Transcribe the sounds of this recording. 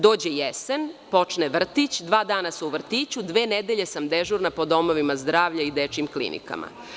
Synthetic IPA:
d̪o̞ːd͡ʑejesenpo̞t͡ʃneʋr̩t̪it͡ɕd̪ʋaːd̪aːnaseuʋr̩t̪iːt͡ɕud̪ʋeːned̪eʎe̞samd̪eʒuɾnapo̞d̪o̞mo̞ʋimazd̪ɾaːʋʎaid̪et͡ʃimklḭnʔḭka̰ma̰

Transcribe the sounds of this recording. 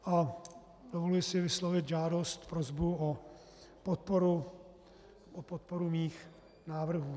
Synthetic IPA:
ʔa | dovolujɪsɪvɪslovɪt̪ʒaːdost̪pɾozbuo | pot̪̚poɾu | opot̪̚poɾumiːx | naːvr̩ɦuː

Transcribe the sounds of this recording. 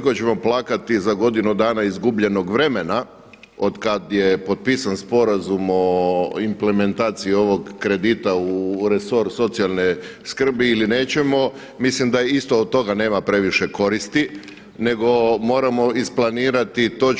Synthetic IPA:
kot͡ɕe̞mo̞plaːkat̪izaɡo̞d̪inud̪aːnaizɡubʎe̞no̞ɡʋɾe̞me̞na | od̪kad̪jepo̞t̪̚pisanspo̞ɾazumo̞imple̞me̞nt̪aːt̪sijio̞ʋo̞ɡːɾe̞d̪it̪auɾeso̞ɾso̞t̪sialˠneskr̩biilineːt͡ɕe̞mo̞ | mislimd̪aist̪oːd̪̚t̪ːo̞ɡane̞ːmapɾe̞ʋiʃe̞ko̞ɾist̪i | ne̞ɡo̞mo̞ːɾamo̞isplˠaniːɾat̪it̪o̞

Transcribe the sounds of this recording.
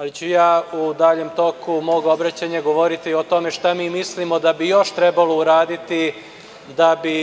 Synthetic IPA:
alit͡ɕujaːud̪aʎemt̪o̞kumo̞ːɡo̞bɾat͡ɕaɲaɡo̞ʋo̞ɾit̪io̞t̪o̞meʃt̪amiːmislimo̞d̪abijo̞ʃt̪ɾɛbalouɾaːd̪it̪i | d̪abi

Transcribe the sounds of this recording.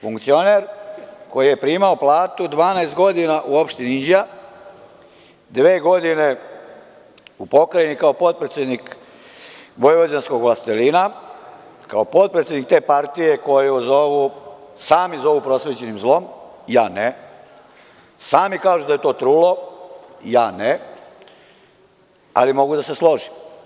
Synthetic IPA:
fuŋkt̪sio̞neɾko̞jije̞pɾiːmaoplaːt̪ud̪ʋaːnaest̪ɡo̞d̪inaʔuo̞pʃt̪iniind͡ʑija | d̪ʋeːɡo̞d̪ine̞ | upo̞kɾajenikaopo̞t̪̚pɾet̪sʲjed̪nik | ʋo̞jʋod͡ʑansko̞ɡʋlast̪elina | kaopo̞t̪̚pɾet̪sʲjed̪nikt̪e̞ːpaɾt̪ije̞ko̞jeozoʋusaːmizo̞ʋupɾo̞sʋeːt͡ɕe̞nimzlo̞mjaːne | saːmikaːʒud̪ajet̪o̞ːt̪ɾuːlo̞ | jaːne | a̰limo̞ɡud̪ase̞slo̞ʒi

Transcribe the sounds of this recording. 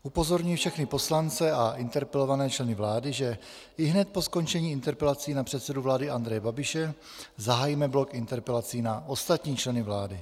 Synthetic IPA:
ʔupo̞zo̞ɾɲujifʃɛxnɪpo̞slant͡sɛaʔɪnt̪ɛɾpɛlo̞vanɛːt͡ʃlɛnɪvlaːdɪʒɛ | ɪɦnɛt̪̚po̞sko̞nt͡ʃɛɲiːɪnt̪ɛɾpɛlat͡siːnapr̥ɛt̪sɛduvlaːdɪand̪ɾɛjɛbabɪʃɛ | zaɦajimɛblo̞kɪnt̪ɛɾpɛlat͡siːnaʔo̞st̪at̪ɲiːt͡ʃlɛnɪvlaːdɪ

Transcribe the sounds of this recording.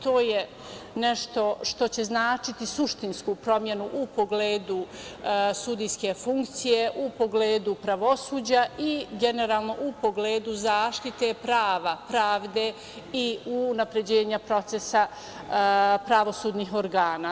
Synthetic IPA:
t̪o̞ːje | neʃt̪o̞ʃt̪o̞t͡ɕe̞znaːt͡ʃit̪isuʃt̪inskuːpɾo̞mje̞nuʔupo̞ɡleːd̪u | sud̪ijske̞fuŋk̚t̪sije̞ʔupo̞ɡleːd̪upɾaʋo̞suːd͡ʑaʔiɡe̞ne̞ɾaːlˠno̞ʔupo̞ɡleːd̪uzaːʃt̪it̪e̞pɾaːʋapɾaːʋd̪e̞ | iunapɾe̞d͡ʑeːɲapɾo̞t̪sesa | pɾaʋo̞suːd̪niːɦoɾɡaːnaː

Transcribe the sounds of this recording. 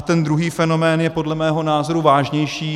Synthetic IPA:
t̪ɛnd̪ɾuɦiːfɛno̞mɛːnjɛpo̞dlɛmɛːɦo̞naːzo̞ɾuvaːʒɲɛjʃiː

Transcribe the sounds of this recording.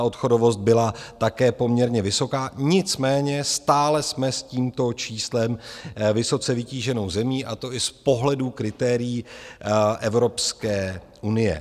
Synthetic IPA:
ʔo̞t̪xo̞do̞vo̞st̪̚bɪlat̪akɛːpo̞mɲɛɾɲɛvɪso̞kaːɲɪt͡smɛːɲɛst̪aːlɛsmɛsciːmt̪o̞t͡ʃiːslɛmvɪso̞t͡sɛvɪciːʒɛno̞wzɛmiːʔat̪o̞ʔɪspo̞ɦlɛdukɾɪt̪ɛːɾɪjiː | ʔɛvɾo̞pskɛː | ʔunɪjɛ̰

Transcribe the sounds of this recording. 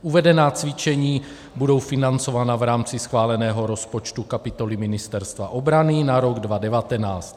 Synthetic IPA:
ʔuvɛdɛnaːt͡svɪt͡ʃɛɲiː | budo̞wfɪnant͡so̞vaːnavɾaːmt͡sɪsxvaːlɛnɛːɦo̞ɾo̞spo̞t͡ʃt̪ukapɪt̪o̞lɪmɪnɪst̪ɛɾst̪va̰ʔo̞bɾanɪnaɾo̞ɡdvadɛvat̪ɛnaːt͡st̪

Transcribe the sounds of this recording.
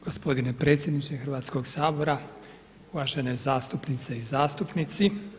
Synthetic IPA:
ɡ̥ospo̞d̪inepɾe̞t̪sʲje̞d̪nit͡ʃexɾʋaːt̪sko̞ɡsaːbo̞ɾa | uʋaːʒenezaːst̪upnit̪seizaːst̪upnit̪si

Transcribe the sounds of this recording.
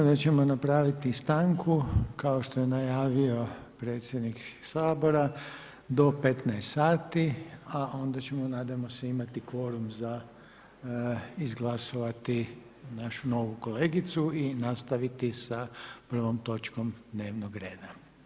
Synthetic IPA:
d̪at͡ɕe̞mo̞napɾaːʋit̪ist̪aŋkʰukaoʃt̪o̞jenajaːʋio̞ | pɾeːt̪sʲjed̪niksaːbo̞ɾa | d̪o̞pe̞t̪nɛest̪saːt̪iaʔo̞nd̪at͡ɕemo̞naːd̪ajemoseimat̪ikʋo̞ɾumza | izɡlˠaso̞ʋat̪i | naʃuno̞ʋuko̞leːɡit̪suinast̪aʋit̪isapr̩ʋo̞mt̪o̞t͡ʃko̞md̪ne̞ːʋnoɡɾeːd̪a

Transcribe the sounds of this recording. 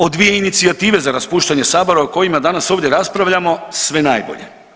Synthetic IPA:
o̞d̪ʋije̞init̪siat̪iːʋe̞zaɾaspuːʃt̪aɲe̞saːbo̞ɾaoko̞jimad̪anasoʋvd̪ʲje̞ɾaspɾaʋʎʲamo̞sʋe̞najbo̰ʎe̞̰

